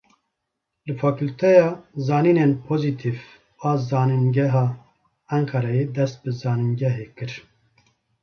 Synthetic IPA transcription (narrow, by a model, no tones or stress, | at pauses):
lɨfaːkult̪ʰɛjɑːzɑːniːnenpʰoːzit̪ʰiv | ɑːzɑːninɡɛɦɑː | æŋkʰɛɾɛjeːd̪ɛst̪̚bɨzɑːninɡɛɦeːkɨɾ